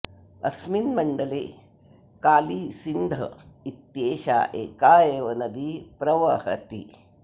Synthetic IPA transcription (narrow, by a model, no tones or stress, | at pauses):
ɐ̰sminmɐɳɖɐlḛː | kaːliːsind̪ʱɐ̰it̪jeːʃa̰ːʔeːkaːjeːʋɐnɐd̪ipɾɐʋɐhɐ̰t̪ḭ